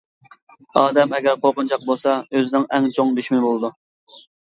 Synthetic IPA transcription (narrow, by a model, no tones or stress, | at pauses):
ɑːd̪ɛmɛɡʲɛɾqʰoɾqʊnt͡ʃʰɑq̚bolˠsɑøzɪnɪŋɛŋt͡ʃʰoŋd̪yʃmɪbolˠɨd̪u